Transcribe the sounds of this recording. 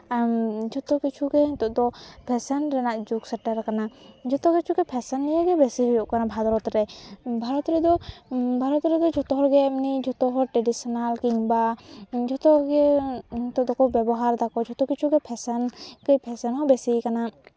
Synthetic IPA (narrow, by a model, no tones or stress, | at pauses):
d͡ʒɔt̪ɔkit͡ʃʰuɡɛt̪ɔʔd̪ɔpʰɛsɛnɾɛnaʔd͡ʒuksɛʈaɾkanad͡ʒɔt̪ɔkit͡ʃʰuɡɛpʰɛsɛnːijaɡɛbɛsiɦɔjɔʔkanabʱad̪ɔɾɔt̪ɾɛbʱaɾɔt̪ɾɛd̪ɔbʱaɾɔt̪ɾɛd̪ɔd͡ʒɔt̪ɔɦɔɾɡɛɛmnid͡ʒɔt̪ɔɦɔɾʈɾɛɖisɔnalkiŋbad͡ʒɔt̪ɔɡɛt̪ɔʔd̪ɔkɔbɛbɔɦaɾd̪akɔd͡ʒɔt̪ɔkit͡ʃʰuɡɛpʰɛsɛnkəjpʰɛsɛnhɔbɛsikana